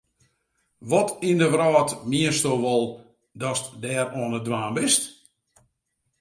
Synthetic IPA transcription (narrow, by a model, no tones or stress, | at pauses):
ʋɔtindəʋrɔːtmiənstoːʋɔlˠ | dɔstdɛːɾɔənədwaːnbɪst